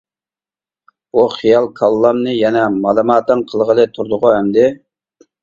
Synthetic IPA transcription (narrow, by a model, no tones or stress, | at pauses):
uχijɑlˠkʰɑlˠːɑmnɨjɛnɛmɑlˠɨmɑːt̪ɨŋqʰəlˠʁəlˠɨt̪ʰuɾd̪ʊʁʊɛmd̪ɪ